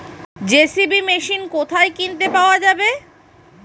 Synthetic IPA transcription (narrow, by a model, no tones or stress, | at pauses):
d͡ʑesibimeʃinkot̪ʰaekint̪epaoad͡ʑabe